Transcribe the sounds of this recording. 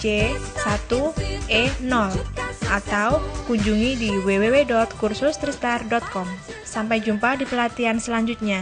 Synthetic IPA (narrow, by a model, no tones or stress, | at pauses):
d͡ʒesat̪uenɔlʔat̪awkuɲd͡ʒuŋidiwewewedɔt̪̚kursʊst̪ɾist̪ardɔt̪̚kɔmsampajd͡ʒumpadipəlat̪iansəlaɲd͡ʒut̪̚ɲa